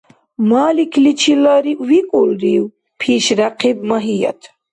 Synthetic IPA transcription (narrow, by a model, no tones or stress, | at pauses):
maːlikʰlit͡ʃʰilaɾiwikʼulɾiw | pʰiʃɾaqʰib̚maɦija̰t̪ʰ